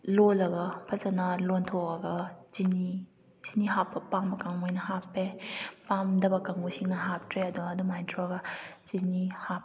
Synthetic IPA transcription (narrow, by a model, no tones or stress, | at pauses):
lolɐɡɐpʰɐzɐnɐlontʰɔɐɡɐzini | z̥iniɦapːɐpambɐkaŋojnɐhapːepamdɐbɐkaŋusiŋnɐɦap̚tɾeɐduŋɐdumajntʰɾɔɡɐzinihap̚